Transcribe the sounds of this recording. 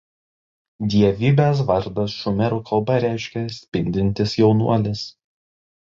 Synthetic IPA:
d̪ʲiɛʋʲiːbʲeːs̬ʋɐɾd̪ɐsʃʊmʲɛɾuːkʰɐlˠbɐɾʲæɪʃʲkʲɛsʲpʲɪnʲd̪ʲɪnʲt̪ʲɪsjɛʊnṵɔlʲɪs

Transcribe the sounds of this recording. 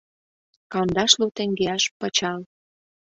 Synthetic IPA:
kɑnd̪ɑʃlut̪eŋɡeɑʃpə̆t͡ɕɑl

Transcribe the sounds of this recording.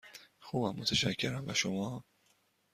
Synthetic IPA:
xuːbæmːot̪ʰeʃæcʰːe̞ɾæmbæʃomɒː

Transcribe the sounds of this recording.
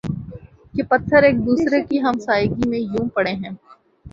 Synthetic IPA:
kepɐt̪ʰːəɾeːk̚d̪uːsɾekiɦɐmsaːjɡimẽjũːpɐɽeɦɛ̃ː

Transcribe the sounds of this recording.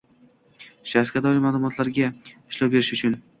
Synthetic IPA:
ʃaskʲad̪ɒlɪmalˠʊmɒt̪laɾɡʲaɪʃlɒwbe̞ɾɪʃʊt͡ʃʰʊn

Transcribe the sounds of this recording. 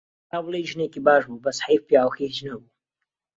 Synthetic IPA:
aːwlˠejʒɨneːkibaːʃbuːbɐshefpjaːwxiid͡ʒnɐbu

